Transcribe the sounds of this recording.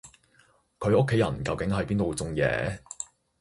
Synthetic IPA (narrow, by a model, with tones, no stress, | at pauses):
kʰɵ˨˧ɥʔʊ˥kʰːe˨˥jɐ̰˨˩nkɐ˧wkɪ˨˥ŋɦɐ˨jpiː˥nt̪wt͡sʊ˧ŋjɛ̰ː˨˧˦